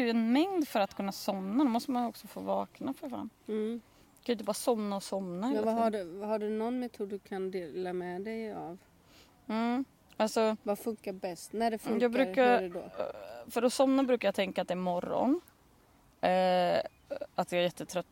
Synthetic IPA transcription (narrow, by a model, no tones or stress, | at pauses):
jɛnmɛŋd̪fœɾat̪kʰɵnːasɔmnad̪ɛmɔst̪əmanjɔksɔfoːvɑːknafœɾfɾa̰n | kanjʏɪt̪əbɑːɾasɔmnaɔsɔmnaɛahaɖhaɖɵnɔnmɛt̪ʰuːd̪ːɵkʰand̪eːlamɛd̪ɛjav̩ | alsɔvafɵŋkabɛst̪næɖɛfjɑːɡbɾʉ̟ːkaɾd̪o̰fœɾɔsɔmnabɾʉ̟kajat̪ʰɛŋkat̪̚d̪ɛæɾmɔɾːɔ̰n | at̪̚d̪ɛæɾjɛt̪ːət̪ʰɾœt̪ː